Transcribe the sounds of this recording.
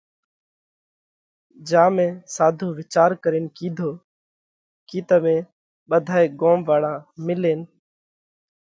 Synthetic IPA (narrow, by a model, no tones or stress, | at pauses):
d͡ʒãːmẽːsaːd̪ʱõːʋɪt͡ʃaːɾkəɾeːnkiːd̪ʱoː | kiːt̪əmẽː | ɓəd̪ʱaːeːɡoːmʋaːɽãːmɪleːn